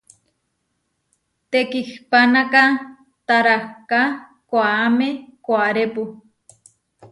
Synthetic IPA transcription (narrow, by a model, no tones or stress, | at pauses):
t̪ekihpanaka | t̪aɾaka | kʷaːmekʷaɾepu